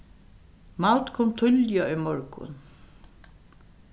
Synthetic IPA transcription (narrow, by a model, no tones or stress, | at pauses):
mawt̪kʰɔmt̪ʰʏljaʊjmɔɹkʊ̰n